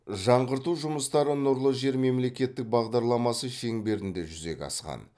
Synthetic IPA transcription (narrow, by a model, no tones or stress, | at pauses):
ʒɑɴʁəɾt̪uʒʊməst̪ɑɾənʊɾlˠəʒe̞ɾme̞mle̞kʲe̞t̪ːɪk̚bɑʁd̪ɑɾlˠɑmɑsəʃe̞ŋbe̞ɾɪnd̪e̞ʒʏze̞̰kʲɑ̰sqɑ̰n